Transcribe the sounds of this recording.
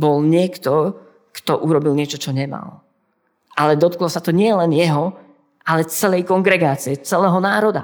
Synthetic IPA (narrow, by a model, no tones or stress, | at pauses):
bɔlɲɪɛkt̪ɔ | kt̪ɔʔuɾɔbilɲɪɛt͡ʃɔt͡ʃɔɲɛma̰l | ʔalɛd̪ɔt̪klɔsat̪ɔɲɪɛlɛnjɛɦɔ | ʔalɛt͡sɛlɛjkɔŋɡɾɛɡaːt͡siɛt͡sɛlɛːɦɔnaːɾɔd̪a̰